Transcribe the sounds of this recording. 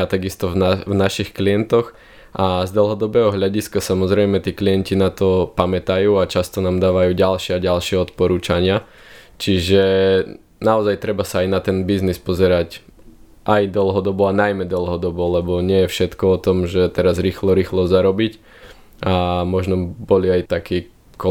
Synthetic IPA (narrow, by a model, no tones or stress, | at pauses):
at̪aɡist̪ɔvnavnaʃixkliɛnt̪ɔx | ʔazd̪l̩ˠɦɔd̪ɔbɛːɦɔɦʎaɟiskasamɔzɾɛjmɛt̪iːklijɛncinat̪ɔpamɛt̪ajuːat͡ʃast̪ɔnaːmd̪aːʋajuːɟalʃɪɛaɟalʃɪɛɔt̪pɔɾuːt͡ʃaɲɪa | t͡ʃiʒɛ | naɔzajt̪ɾɛbasaːjnat̪ɛnbiznispɔzɛɾac | ʔajd̪ɔl̩ˠɦɔd̪ɔbɔanajmɛd̪ɔl̩ˠɦɔd̪ɔbɔlɛbɔɲɪɛjɛfʃɛt̪kɔɔt̪ɔmʒɛt̪ɛɾazɾiːxlɔɾiːxlɔzaɾɔbic | amɔʒnɔbɔliajt̪akiː | kɔ